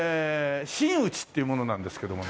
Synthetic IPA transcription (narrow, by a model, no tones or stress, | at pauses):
ɕĩɰ̃ɯ̟t͡ɕi̥t̪ːeiɯ̟mono̞nãnd̪e̞sɨ̥ke̞d̪o̞mo